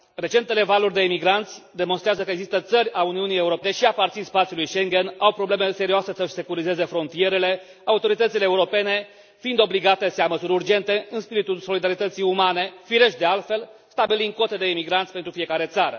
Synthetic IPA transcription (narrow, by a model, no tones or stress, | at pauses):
re̞t͡ʃe̞nt̪ele̞valurʲd̪e̞imiɡɾant̪sʲd̪e̞monst̪ɾeazəkəeɡzist̪ət̪sərʲauniunijeuɾo̞peeʃiapart̪sinspat̪sijulujʃe̞ŋɡenawpɾo̞ble̞me̞se̞ɾioase̞səʃse̞kuɾize̞ze̞fɾo̞nt̪ije̞ɾe̞le̞ | aut̪o̞ɾit̪ət̪sileːuɾo̞pe̞ne̞ | find̪o̞bliɡat̪e̞seaməsuɾʲurd͡ʒe̞nt̪e̞ɨnspiɾit̪ulso̞lid̪aɾit̪ət̪sijumane̞fiɾe̞ʃd̪e̞alt̪fe̞lst̪abilind̪̚ko̞t̪e̞d̪e̞imiɡɾant̪ʲpent̪ɾufije̞kaɾe̞t̪saɾə̰